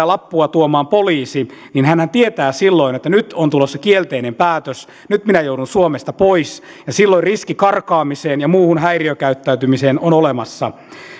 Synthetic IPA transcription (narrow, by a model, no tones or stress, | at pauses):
lɑpːuɑt̪uomɑːmpoliːsininhænhænt̪iet̪æːsilːoinet̪ːænyt̪ont̪ulosːɑkielt̪einempæːt̪øs | nyt̪minæjouɾunsuomest̪ɑpois | jɑsilːoiriskikɑrkɑːmiseːnjɑmuːhunɦæiriøkæyt̪ːæyt̪ymiseːnonolemɑsːɑ̰